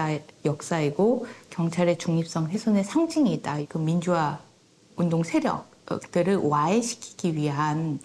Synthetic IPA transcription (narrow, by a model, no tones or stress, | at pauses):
jʌk̚s͈aeɡokjʌŋt͡ɕʰaɾe̞t͡ɕuŋɲip̚s͈ʌŋsʰe̞sʰone̞sʰaŋd͡ʑiŋiːtt͈aikɯmind͡ʑuwa | undoŋsʰe̞ɾjʌ̰k̚k̚t͈ɯɾɯɭwaeɕʰi̥kʰi̥ɡ̥iɥiɦan